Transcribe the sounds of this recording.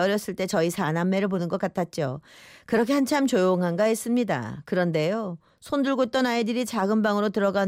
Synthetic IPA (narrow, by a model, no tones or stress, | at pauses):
ʌɾjʌs͈ɯɭt͈e̞t͡ɕʌisʰanamːe̞ɾɯɭp̬onɯnɡʌk͈atʰat̚t͡ɕ͈okɯɾʌkʰe̞hant͡ɕʰamt͡ɕojoŋɦanɡaes͈ɯmɲida̰kɯɾʌnde̞jo | sʰondɯɭɡot͈ʌnaedɯɾit͡ɕaɡɯnbaŋɯɾotɯɾʌɡan